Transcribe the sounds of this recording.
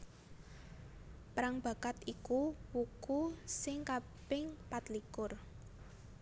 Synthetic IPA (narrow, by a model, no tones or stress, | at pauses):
pɾaŋb̥a̤kat̪ikuwukusɪŋka | b̥ɪŋpat̪likʊr